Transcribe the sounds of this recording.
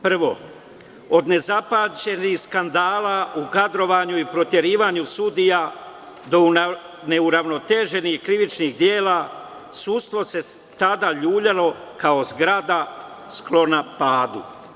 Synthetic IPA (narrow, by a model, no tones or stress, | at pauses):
pr̩ʋo̞̰ | od̪ne̞zapat͡ʃe̞nihskand̪aːlaukad̪ɾo̞ʋaːɲuipɾo̞t̪je̞ɾiːʋaɲusud̪ija | d̪o̞ | ne̞uɾaʋno̞t̪e̞ːʒe̞nihkɾiʋit͡ʃnixd̪je̞ːla | suːt̪st̪ʋo̞se̞t̪ad̪aʎuːʎalo̞ | kaozɡɾad̪a | sklo̞napaːd̪ṵ